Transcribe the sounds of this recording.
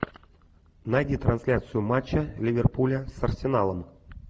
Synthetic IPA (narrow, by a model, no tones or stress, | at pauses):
najdʲit̪ɾɐnsʲlʲat̪sɨjʊmat͡ɕːəlʲɪvʲerpulʲəsɐrsʲɪnalˠəm